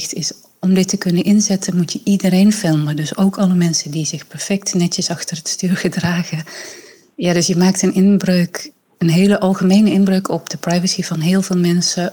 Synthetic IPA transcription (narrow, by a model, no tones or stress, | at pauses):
tɪs | ɔmdɪtəkɵnənʔɪnzɛtʰənmutjəʔidərejnfɪlˠmədɵsowkɑləmɛnsədizɪxpɛɹfɛk̚tnɛtəsɑxtərətstyːrχədraːχə | jaːdɵsjəmaːk̚tənʔɪnbrøk | ənɦejləʔɑlˠχəmejnəɪnbrøɥkʰɔpdəprajvəsivɑnɦɪːlˠvɪːlˠmɛnsə